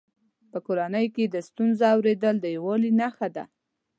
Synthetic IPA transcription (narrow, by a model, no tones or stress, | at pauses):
pəkoɾanəjked̪əst̪unzaawɾed̪əld̪əjawɑlinaxad̪a̰